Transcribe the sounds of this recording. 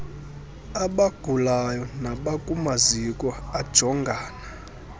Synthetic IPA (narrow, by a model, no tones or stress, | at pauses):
aɓaɡ̥ʱulajɔnaɓakʼumazikʼwɔad̥ʒ̥ʱɔŋɡʱaːna